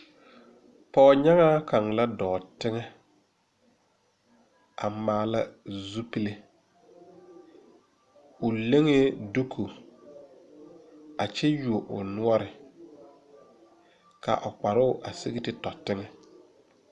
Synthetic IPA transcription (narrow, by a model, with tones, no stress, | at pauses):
pɔː˦˨ɲa˦ŋaː˦ka˨ŋla˦dɔː˨tɪ˦ŋɛ˦ | a̰˨maː˨la˦zu˦pi˦le˦ | ʊ˨le˦ŋe˦du˦kʰu˨ | a˨t͡ʃɛ˦ju˨o˨ʔʊ̰˨nʊ˦ɔ˦ɾɪ˨ | ka̰˨ʔʊ˨k͡pa˨ɾʊ˦ʊ˦ʔa˨si˦ɣɪ˦tɪ˦tɔ˨tɪ˦ŋɛ˦